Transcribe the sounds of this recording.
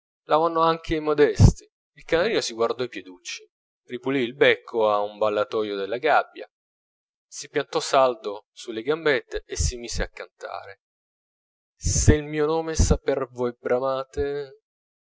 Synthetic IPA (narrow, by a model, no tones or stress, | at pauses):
lavanːoaŋk̟ʰeimod̪ɛst̪i | ilkanaɾiːnosiɡward̪ɔipjed̪ut͡ʃːi̥ | ripuliːlbɛkʰːoaumbalːat̪ɔjod̪elːaɡabːja̰ | sipjant̪ɔsald̪osulːeɡambet̪ːeesimiːzeakːant̪a̰ːɾe | seilmiːonoːmesapervoɛbɾamaːt̪e